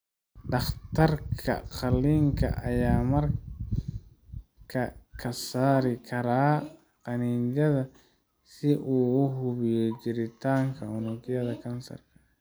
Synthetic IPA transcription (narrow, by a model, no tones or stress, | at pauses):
ɖɑχt̪ʰɐrkʰɐ̰qɐlːiːŋkʰɐ̰ʔɐjaːmɐr | kʰɐkʰɐsaːɾɪkʰɐɾaː | qɑniːnd͡ʒɐðɐ | sɪʔuːʊɦʊβɪjɔt͡ʃɪɾɪt̪ʰaːŋkʰɐhʊnʊɡjɐðɐkʰɐnsɐ̰rkʰɐ